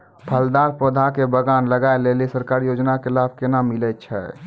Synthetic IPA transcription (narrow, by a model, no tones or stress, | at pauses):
pʰəld̪aɾpod̪ʱakebəɡanləɡaelelisəɾkaɾijod͡ʒnakelab̚ʱkenamilɛt̪̚t͡ʃʰɛ̰